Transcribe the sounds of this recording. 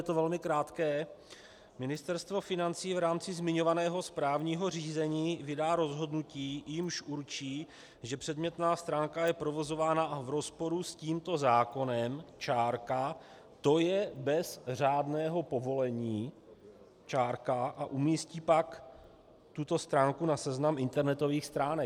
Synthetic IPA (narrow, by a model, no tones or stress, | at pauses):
ɛt̪ovɛlmɪkɾaːt̪kɛː | mɪnɪst̪ɛɾst̪vo̞fɪnant͡siːvɾaːmt͡sɪzmɪɲo̞vanɛːɦo̞spɾaːvɲiːɦo̞r̝iːzɛɲiːvɪdaːɾo̞zɦo̞dnuciːjɪmʃʔuɾt͡ʃiː | ʒɛpr̥ɛdmɲɛt̪naːst̪ɾaːŋkajɛpɾo̞vo̞zo̞vaːnavɾo̞spo̞ɾusciːmt̪o̞zaːko̞nɛmt͡ʃaːɾka | t̪o̞jɛbɛzr̝aːdnɛːɦo̞po̞vo̞lɛɲiː | t͡ʃaːɾkaʔaʔumiːsciːpak | t̪ut̪o̞st̪ɾaːŋkunasɛznamʔɪnt̪ɛɾnɛt̪o̞viːxst̪ɾaːnɛ